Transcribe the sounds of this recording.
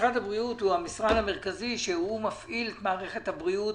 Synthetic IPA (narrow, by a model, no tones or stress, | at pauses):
χadhabʁiuthuamisʁanhameʁkaziʃehumafʔilet̪maːʁe̞χe̞thabʁiut